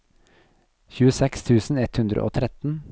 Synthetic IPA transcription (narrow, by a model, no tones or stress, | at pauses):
çʉːəsɛkst̪ʰʉːsn̩ɛt̪hʉnd̪ɾə̰ʔo̰ːt̪ʰɾɛt̪n̩